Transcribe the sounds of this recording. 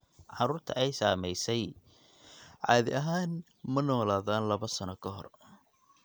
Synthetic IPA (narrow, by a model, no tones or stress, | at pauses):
ʕɑɾuːrt̪ʰɐ̰ʔɛjsaːmɛjsɛj | ʕɑ̰ːðɪ̰ʔɐɦaːn | mɐnɔːlaːðaːnlɐβɐsɐnɔkʰɐɦɔ̰r